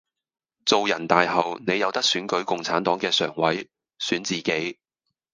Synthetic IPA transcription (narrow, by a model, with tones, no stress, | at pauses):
t͡so˨wjɐ˨˩nt̪aː˨jɦɐ˨wne˨˧jɐ˨˧wt̪ɐ˥k̚syː˨˥nkɵ˨˥ɥkʊ˨ŋt͡sʰaː˨˥nt̪ɔː˨˥ŋkɛː˧sœː˨˩ŋwɐ˨˥j | syː˨˥nt͡siː˨ke˨˥j